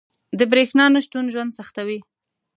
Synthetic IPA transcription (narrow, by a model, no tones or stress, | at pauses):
d̪əbɾexnɑnaʃʈunʒwand̪saxt̪awi